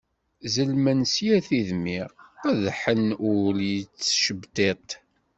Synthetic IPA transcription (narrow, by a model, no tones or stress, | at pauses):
zəlmənsjæθiðmɪʁæðħənʊljət͡sːʃəbt̪et̪ˤ